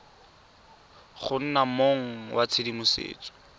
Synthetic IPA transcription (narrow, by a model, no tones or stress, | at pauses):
χʊn̩namoŋ̩wʔat͡sʰɪdimʊsḛːt͡sʼɔ̥